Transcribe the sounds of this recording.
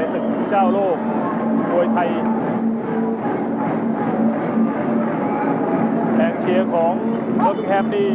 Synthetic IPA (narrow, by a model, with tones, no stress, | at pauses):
a˥˩jsɯ˨˩t̪̚ːt͡ɕaː˥˩wloː˥˩k̚ | doː˧jt̪ʰa˧j | pɛː˨˩ŋk̪ʰi˧˩əkʰɔː˩˦ŋ | o˧˥˩t̪ːkʰɛː˥˩p̚t̪ʰiː˥˩